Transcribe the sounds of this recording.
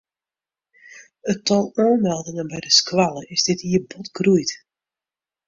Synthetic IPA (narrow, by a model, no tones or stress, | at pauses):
ətɔlˠoːmɛlˠdɪŋənbɛjdəskʋalˠəɪzdɪtiəbɔtɡrujt